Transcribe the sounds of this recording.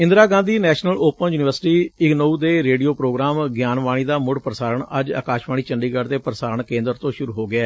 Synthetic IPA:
ɪ̃nd̪ɾaːɡãːnd̪iːnɛːʃnəloːpənjuːnɪʋəɾsʈiːɪɡnouːd̪eːɾeːɖijoːpɾoːɡɾaːmɡjaːnʋaːɽ̃iːd̪aːmʊɽpɾəsaːɾəɳəd͡ʒa̰ːkaːʃʋaːɽ̃iːt͡ʃəɳɖiːɡəɽt̪eːpɾəsaːɾəɳkẽːnd̪əɾt̪õːʃʊɾuːɦoːɡɪɛː

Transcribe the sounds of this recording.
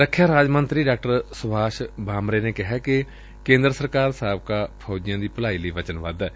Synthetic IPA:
ɾəkʰːjaːɾaːd͡ʒmənt̪ɾiːɖaːk̚ʈəɾsʊbʱaːʃbaːmɾeːneːkɪɦɛːkɪ | kẽːnd̪ɾəsəɾkaːɾsaːb̚kaːpʰoːd͡ʒɪjãːd̪iːpəlaːiːləiːʋət͡ʃənʋə̰d̪ː

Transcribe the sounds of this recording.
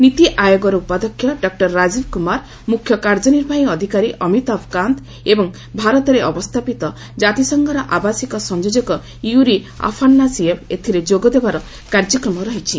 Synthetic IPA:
nit̪iʔajoɡɔɾɔupad̪ɔkʰːjɔɖɔk̚ʈɔɾːad͡ʒibkumaɾ | mukʰːjɔkaɾd͡ʒɔniɾbʱaĩɔd̪ʱikaɾiʔɔmit̪apʰkant̪ | ebɔŋ | bʱaɾɔt̪ɔɾeʔɔbɔst̪ʰapit̪ɔ | d͡ʒat̪isɔŋɡʱɔɾɔʔabasikɔsɔnd͡ʒod͡ʒɔkɔ | juɾia̰pʰanːasiepʰet̪ʰiɾed͡ʒoɡɔd̪ebaɾɔ | kaɾd͡ʒɔkɾɔmɔɾɔɦit͡ʃʰi

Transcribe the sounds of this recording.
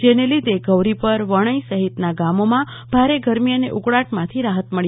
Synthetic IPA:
d͡ʒenelid̪eɡəʋɾipəɾʋəɽ̃əisəɦit̪naɡamomã | b̥ʱaɾeɡʱəɾmiəneʔuɡɭaʈmãt̪ʰiɾaɦət̪məɭ

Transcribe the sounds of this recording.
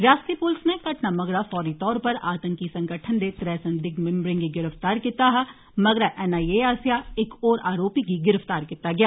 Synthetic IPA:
ɾaːst̪ɾipʊlsnekɐʈnamɐɡɾafɔːɾit̪ɔːɾpɐɾa̰ːt̪ə̃ŋkisɐ̃ŋɡəʈʰənd̪et̪ɾɛːsə̃nd̪ɪɡmɪ̃mbɾɪ̃ŋɡiɡɪɾəft̪aːɾkit̪aɦɛ | mɐɡɾaʔɛnaːieaːsjaɪkɔːɾaːɾoːpik̬iɡɪɾəft̪aːɾkɪt̪aɡɪjaː

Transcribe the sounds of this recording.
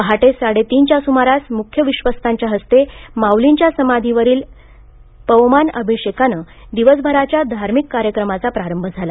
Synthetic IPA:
pəɦaʈesaɽet̪iːnt͡ɕjasumaɾasmukʰjəʋiɕʋəst̪ʰaɲt͡ɕjaɦəst̪emawlint͡ɕjasəmad̪ʱiʋəɾiːl | pəʋmanəbʱiɕekanə | d̪iʋəsbʱəɾat͡ɕjad̪ʱaɾmikːaɾjəkɾəmat͡sapɾaɾəmbʱəd͡zʱala

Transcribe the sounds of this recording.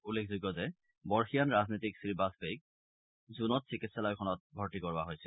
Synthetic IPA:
ulːekʰzuɡjɔzɛ | bɔɹxijanɹaznojtiksɹibasbek̚ | zunɔtsikitsɛlɔjkʰɔnɔt̚bʱɔɹtikɔɹaɦojsɛ

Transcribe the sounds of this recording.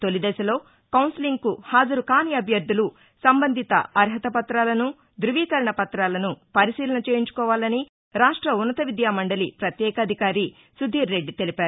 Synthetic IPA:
t̪o̞lid̪ɛːʃɐlo̞ː | kɐwnsiliŋɡkuhaːd͡ʒɐɾukaːniɐbʱjɐɾd̪ʱːulu | sɐmbɐnd̪ʱit̪ɐ̰ɐɾɦɐt̪ɐpɐt̪ɾaːlɐnu | d̪ɾuʋiːkɐɾɐɳɐpɐt̪ɾaːlɐnupɐɾisiːlɐnɐt͡ʃeːjiɲt͡ʃu̥kɔːʋaːlɐni | ɾaːʂʈɾɐunːɐt̪ɐʋid̪jaːmɐɳɖɐlipɾɐt̪jɛːkɐːd̪ʱikaːɾi | sud̪ʱːiːɾːe̞ɖːit̪e̞lipaːɾu

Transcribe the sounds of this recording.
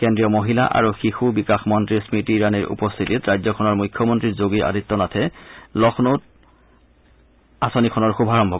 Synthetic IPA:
kɛndɹijɔmoɦila̰ʔa̰ɹuxixubikaxmɔntɹiɹsmitiɹaniɹʔṵpɔst̪ʰititɹajzɔkʰɔnɔɹmujkʰːjɔmɔntɹiɹzoɡiʔa̰dit̪ːɔnatʰɛlɔxnot̚ | asonikʰɔnɔɹxubʱaɹɔmbʱɔ

